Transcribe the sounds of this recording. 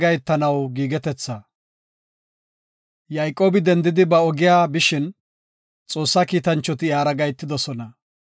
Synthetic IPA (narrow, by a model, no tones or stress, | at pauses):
ɡɐjt̪ːɐnɐwɡiːɡɛt̪ɛt͡sːɐ | jɐjkʼo̞ːbɪd̪ɛnd̪ɪd̪ɪbɐɔɡɪjaːbɪʃɪn | t͡sʼo̞ːsːakiːt̪ɐnt͡ʃːɔt̪ɪjaːɾɐɡɐjt̪ːɪd̪ɔsɔnɐ